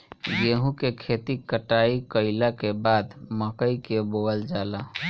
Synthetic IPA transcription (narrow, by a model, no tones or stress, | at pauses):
jeɦũkekʰeːt̪ikəʈaikəɪlakebaːd̪məkəikeboəld͡ʒaːla